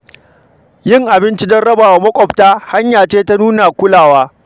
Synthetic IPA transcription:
jɪ˦ŋʔa˨bɪ˦nt͡ʃi˦dɐ˦nɽɐ˦baː˨wa˨mɐ˦kʷʼɔ˨btaː˦ha˦ɲjaː˨t͡ʃeː˦ta˦nuː˦na˨kʷʊ˦laː˨waː˦

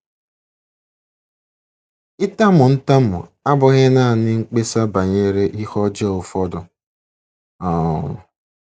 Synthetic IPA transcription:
ɪ˦ta˦mʊ˨n̩˦ta˦mʊ̰˨a˦bʊ˨ɣe˦na˦˨nɪ˦ŋ̩˦k͡pe˦sa˦ba˨ɲe˦ɾe˦ʔi˦hɔ˦d͡ʒɛ˦ʊ˨fɔ˦dʊ˨ | ɔ˨

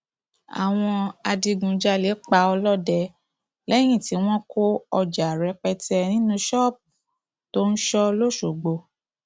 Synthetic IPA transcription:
a̰˨w̃ɔ̃˧a˧di˧ɡũ˧d͡ʒa˦le˨˦k͡pa˧ɔ˧lɔ˦˨dɛ˧ | lɛ˦j̃ĩ˦˨ti˨˦w̃ɔ̃˦kʰo˦ɔ˧d͡ʒa˨ɾɛ˨˦k͡pɛ˧tɛ˧nĩ˦nũ˦ʃɔ˦˨p̚ | to˦n̩˦ʃɔ˦lo˦˨ʃo˨ɡ͡bo˧

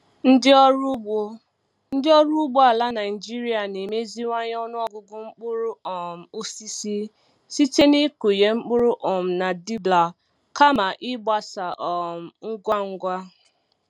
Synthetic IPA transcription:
n̩˦dɪ˦ɔ˦ɾo˦ | n̩˦dɪ˦ɔ˦ɾu˦u˦ɡ͡bo˦a˨la˦na˨ɪ˨d͡ʒi˦ɾi˦a˨ne˨me˦zi˦ŋʷa˦ɲ˦ɔ˦nʊ˦ɔ˦ɡʊ˦ɡʊ˦ŋ͡m̩˦k͡pʊ˦ɾʊ˦ɔ˨m̩˨o˦si˦si˦ | si˦te˦ni˦ku˨je˦ŋ͡m̩˦k͡pʊ˦ɾʊ˦ʔɔ˨m̩˨na˨di˦bla˨ | ka˦ma˨ʔɪ˦ɡ͡ba˨sa˨ʔɔ˨m̩˨ŋ̩˦ɡʷa˦ŋ̩˦ɡʷa˦

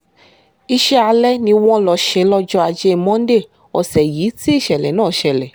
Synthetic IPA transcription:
i˧ʃɛ˦a˧lɛ˦nĩ˧w̃ɔ̃˦lɔ˧˨ʃɛ˧˦lɔ˧d͡ʒɔ˧a˧d͡ʒe˧˦˧mɔ̃˦n˦de˦˨ | ɔ˨sɛ˨ji˨˦ti˦i˦˨ʃɛ˨lɛ˨nãː˦˨ʃɛ˨lɛ˨

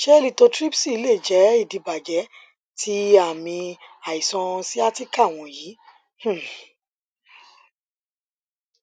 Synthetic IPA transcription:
ʃɛ˦li˦˧˨to˧tɾi˦psi˦˨i˧le˦˨d͡ʒɛ˨˦i˦˨di˨˧ba˨d͡ʒɛ˨˦ | tʰi˦a˦˨mĩ˧a˨i˨sɔ̃˧si˦a˦ti˦ka˦˨w̃ɔ̃˧jiː˨˦ | h̩˦˨

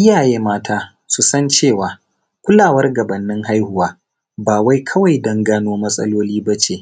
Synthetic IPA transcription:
ʔɪ˦jaː˨jeː˦maː˦tʰaː˦ | su˨sɐ˦nt͡ʃeː˦˨waː˨ | kʷʊ˦laː˨wɐ˦rɡɐ˨bɐ˨nːɪ˦ŋɦa˦jhʊ˨waː˦ | baː˨wa˦jkʰɐ˦wa˨jdɐ˦ŋɡaː˦noː˦mɐ˦sʼɐ̰˦loː˦liː˦bɐ˦t͡ʃeː˨

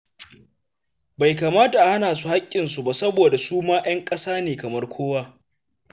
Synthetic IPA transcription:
ba˨jka˨maː˦ta˨ʔa˨ha˦naː˨su˦ha˦kʲʼːɪ˨nsu˦ba˨sɐ˦boː˨da˨suː˦maː˦j̰ɐ˦ŋkʼɐ˦saː˦neː˨kɐ˨mɐ˦rkʷʰoː˦waː˦

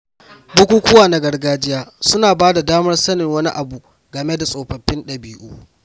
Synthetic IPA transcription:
bʊ˦kʷuː˦kʷʊ˦waː˨na˦ɡɐ˨rɡaː˦d͡ʒɪ˦jaː˦sʊ˦naː˨baː˦da˨daː˦mɐ˦rsɐ˦nɪ˨ŋwɐ˦ni˦ʔa˨bu˨ | ɡɐ˨me˦da˨sʼoː˨ɸɐ˨ɸːɪ˦nɗɐ˨biː˦ʔuː˦

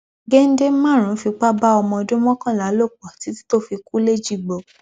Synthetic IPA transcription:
ɡe˦n̩˦de˦mã˦˨ɾ̃ũ˨˦fi˧k͡pa˦ba˦ɔ˧mɔ̃˧ɔ˧dũ˦mɔ̃˦kã˦˨la˨˦lo˦˨k͡pɔ˨ti˨˦ti̥˦to˦fi˧ku˦le˦d͡ʒi˦˨ɡ͡bo˨

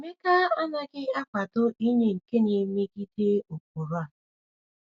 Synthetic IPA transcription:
me˦ka˦a˦na˦ɡɪ˦a˦kʷa˨dʊ˦i˦ɲe˦ŋ̩˨ke˦ne˨˦me˦ɡi˦de˦o˨k̚o˨ɾa˨

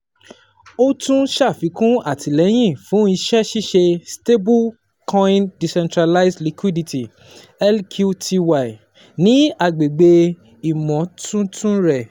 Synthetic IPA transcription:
o˦tũ˦ʃa˦˨fi˨˦kũ˦a˦˨tʰi˨lɛ˨˦j̃ĩ˦˨fũ˨˦i˧ʃɛ˦ʃi˦ʃe˧ste˦bu˦ | kʰɔ̃˦ĩ˦ndi˨sɛ̃˧ntɾa˧la˦isli˧kwi˦di˧ti˨ | ɛ˦lkʰu˦tʰi˧wa˦˨i˨ | nĩ˨˦a˧˨ɡ͡be˨ɡ͡be˧ | i˨mɔ̃˨tʰũ˦tũ˦ɾɛ˦˨

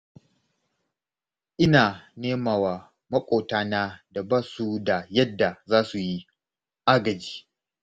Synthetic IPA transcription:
ʔɪ˦naː˨neː˦maː˨waː˨ | mɐ˦kʷʼoː˨taː˦naː˦da˨baː˦su˦da˨jɐ˦dːa˨zaː˦su˨ji˦ | ʔa˦ɡɐ˨d͡ʒi̥ː˦

